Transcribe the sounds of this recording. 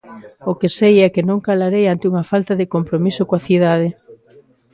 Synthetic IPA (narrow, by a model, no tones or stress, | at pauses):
okɪsejɛkɪnõŋkalaɾejant̪ɪuŋɐfalt̪aðɪkompɾomisʊkoaθið̞aðɪ